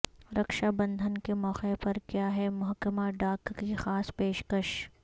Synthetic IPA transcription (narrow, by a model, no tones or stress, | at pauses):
ɾɐkʃabɐ̃nd̪ʱənkemɔːqepɐɾkjaːɦɛmʊɦkəmaɖaːkkixaːspeːʃkəʃ